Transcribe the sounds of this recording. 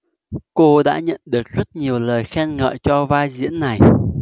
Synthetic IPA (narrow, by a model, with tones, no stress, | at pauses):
ko˧ɗa̰ː˧˥ɲə̰˧˨nɗɨ˨˩ək̚zə˦˥t̚ɲi˨˩əwləː˨˩jxɛ˧nŋə̰ː˧˨jt͡ɕɔ˧vaː˧jzḭ˧˥ənːa˨˩j